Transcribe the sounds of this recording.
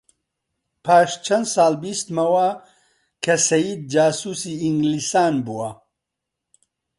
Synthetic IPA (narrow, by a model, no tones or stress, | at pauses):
pʰaːʃt͡ʃʰɐnsaːlbist̪mɐwa | kʰɐsɐjiːd̪̚d͡ʒaːsuːsiːiŋɡlisaːnbuwɐ